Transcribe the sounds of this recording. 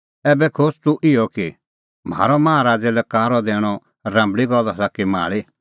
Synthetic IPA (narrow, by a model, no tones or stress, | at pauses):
ɛːbɛkʰoːst̪uʔɪjɔki | m̤a̰ːɾɔmãɦaɾaːd͡zɛlɛkaːɾɔd̪ɛːɽ̃ɔ | ɾãːmbɭiɡɔlasakima̰ːɭi